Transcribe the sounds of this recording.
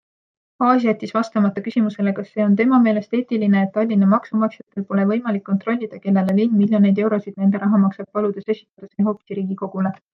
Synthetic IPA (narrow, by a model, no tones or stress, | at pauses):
hɑːsʲijæt̪ʲːisvɑst̪ɑmɑt̪ːˑɑkysimuse̞le̞kɑsːe̞ːo̞nt̪̬e̞mɑme̞ːle̞st̪e̞ːt̪ːˑiline̞ːt̪ːɑlʲːinɑmɑksumɑksjɑt̪ːˑe̞lpo̞le̞vɤjmɑlikːont̪ro̞lʲːid̪̥ɑke̞lːe̞lelinmilʲjo̞ne̞jd̪̥e̞wɾo̞sid̪̥ne̞nd̪̥e̞ɾɑɦɑmɑksɑb̚pɑlud̪̥e̞se̞si̥t̪ːˑɑd̪̥ɑseːɦo̞ːpi̥siɾiːɡ̥iko̞ɡ̥ule̞